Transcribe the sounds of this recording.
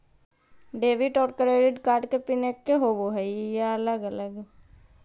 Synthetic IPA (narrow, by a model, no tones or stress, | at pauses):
ɖeːʋiʈɔːɾkəɾeːɖeɖkaːɾɖkepɪnekːeɦoːboɦɛijaɐləɡələɡ